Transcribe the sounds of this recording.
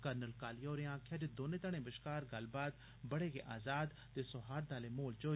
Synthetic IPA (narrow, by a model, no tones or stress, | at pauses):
kəɾnəlkaːliːoːɾɪjãːkʰaːd͡ʒed̪oːnẽːt̪aɽ̃ẽːbɪʃkaːɾɡəlbaːt̪ | bəɽeːɡḛːʔaːzaːd̪ | t̪eːsʊɦaːɾd̪aːleːmoːlt͡ʃoː